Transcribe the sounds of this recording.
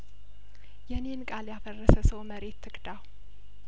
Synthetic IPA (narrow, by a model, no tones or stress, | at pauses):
jɛne̞nkʼaljafərːəsəsəwməɾe̞t̪ʰːɨkʼd̪aw